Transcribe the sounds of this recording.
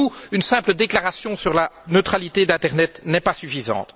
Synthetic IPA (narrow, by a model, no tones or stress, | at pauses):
uynsɛ̃pləd̪eklaʁasjɔ̃syʁlanøt̪χalit̪ed̪ɛ̃t̪ɛʁnɛt̪nɛpasyfizɑ̰̃t̪